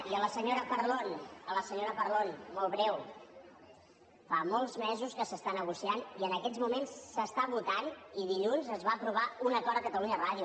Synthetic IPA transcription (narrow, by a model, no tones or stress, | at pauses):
iələsəɲoɾəpəɾlonələsəɲoɾəpəɾlonmɔlˠβɾɛw | famɔlˠzmɛzuskəsəst̪anəɣ̞usianiənəkɛzmumensːəst̪aβut̪aniðiʎunzəzβaːpɾuβ̞aunək̪ɔɾəkət̪əluɲəraðiju